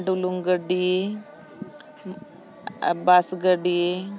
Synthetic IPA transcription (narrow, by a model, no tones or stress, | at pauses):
ɖuluŋɡəɖie | basɡəɖie